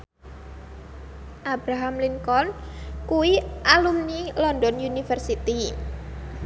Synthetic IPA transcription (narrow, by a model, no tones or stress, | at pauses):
ʔabɾaɦamliŋkɔnkuwiʔalumnilɔndɔnjunifərsit̪i